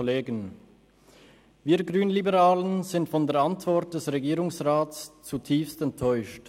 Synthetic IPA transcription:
leːɡən | viːɐɡʁyːnlibəʁaːlənz̥ɪntfɔndeːɐantv̥ɔʁt̚d̥ɛsʁeɡiːʁʊŋsʁaːtst͡sutʰiːfstɛntʰːɔʏʃt

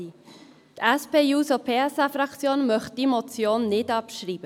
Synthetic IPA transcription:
tɛspeːjuːsopʰeːɛsɑfɾɑkt͡sjoːnmœχt̚d̥imot͡sjoːnːɪdɑpʃɾiːb̥ə

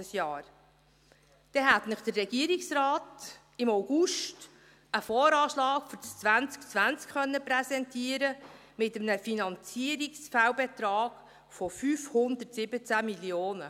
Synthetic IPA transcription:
əsjɑːɾ | d̥ɛɦætnəχd̥̪ərːɛɡiəɾiksrɑːt | ɪmaʊɡ̥uʃt | əfɔːɾɑːʃlɑːɡfɔt͡st͡sʋænt͡skt͡sʋænt͡skχœnːəpɾɛsɛntʰiəɾə | mɪtəmnəfinɑnt͡siəɾiksfæwbɛtɾɑːɡ̥ | fɔfyːfhʊnd̪əɾtsɪbət͡sæmiljoːnə

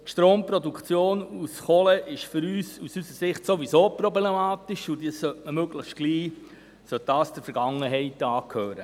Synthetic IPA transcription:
tʃtɾoːmpɾodukʰt͡sjoːnusχɔlɛʔɪʃfʏɾyːsusysəsɪχtsoʋisoːpɾoblemɑːt̪ɪʃudiəsœtməmøɡləχʃt̚ɡ̥liː | sœt̚d̥ɑːsd̥əɾfɛɾɡ̥ɑŋəɦɛɪtɑːkʰhøːɾə

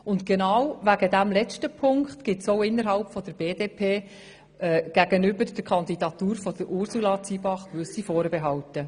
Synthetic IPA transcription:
ʊntɡ̥ɛnɑwʋæɡədæmlɛt͡stəpʰʊŋkχtɡ̥ɪtsoʊɪnːəɾɦɑlpfɔd̥əɾb̥eːdeːpʰeː | ɛɡ̥æɡənʏbəɾd̥əkʰɑnd̪idɑtuːɾfɔd̥əɾʔʊɾsulɑt͡sibɑχkʋʏsifɔːɾbeɦɑwtə

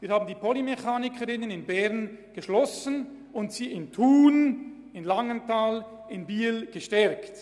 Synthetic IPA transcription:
viːɐhaːbn̩diːpʰolimeçaːnɪkʰəɾɪnənɪnbɛʁnɡ̥əʃlɔsən | ʊntsiːɪntʰuːn | ɪnlaŋəntʰaːl | ɪnbiːlɡ̥əʃtɛɾkt

